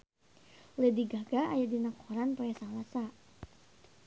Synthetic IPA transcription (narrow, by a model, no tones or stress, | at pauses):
lediɡaɡaʔajadinakɔɾanpɔjasalasa